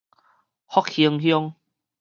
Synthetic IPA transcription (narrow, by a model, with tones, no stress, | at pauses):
hɔ˦k̚hi˧əŋhjɔ˦˧ŋ